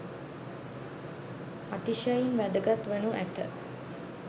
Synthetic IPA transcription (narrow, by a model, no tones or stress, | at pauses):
at̪iʃajinʋæd̪əɡat̪ʋənuʔæt̪ə̰